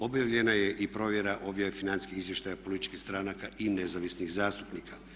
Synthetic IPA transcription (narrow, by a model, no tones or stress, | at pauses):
o̞bjaʋʎe̞naje̞ʔipɾo̞ʋje̞ɾaʔo̞bjaefinansi̥skiizʋje̞ʃt̪ajapo̞lit̪i̥t͡ʃkixst̪ɾanakaʔinezaʋisniɣzaːst̪upnikʰa